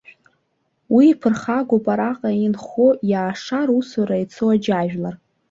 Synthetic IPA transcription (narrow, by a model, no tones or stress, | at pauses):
wiːpʰɨrχaɡʷopʼaɾaqʼainχojaːʂaɾusaɾait͡sʰoad͡ʒaʒᶣlar